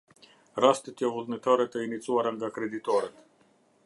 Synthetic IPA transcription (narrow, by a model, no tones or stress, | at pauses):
ɾast̪et̪jovuznet̪aɾet̪əinit̪suaɾaŋɡakɾed̪it̪oɾət̪